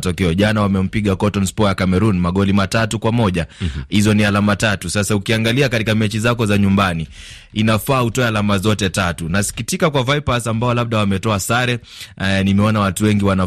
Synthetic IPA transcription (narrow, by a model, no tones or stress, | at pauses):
tɔkɛɔʄanawamɛm̩piɠakɔtɔnspɔjakamɛɾunmaɠɔlimatatukwamɔʄahizɔnialamatatusasaukiaŋɡaliakatikamɛt͡ʃizakɔzaɲumbani | inafaːhutɔɛalamazɔtɛtatunasi̥kitikakwavaipasambaɔlaɓ̚ɗawamɛtɔasaɾɛ | nimɛɔnawatuwɛŋɡiwana